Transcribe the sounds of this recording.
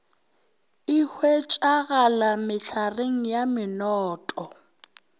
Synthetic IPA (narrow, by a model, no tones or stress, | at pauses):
ɪhwet͡ʃʼaɣalamɪɬʰareŋ̩jamɪnɔːtʼɔ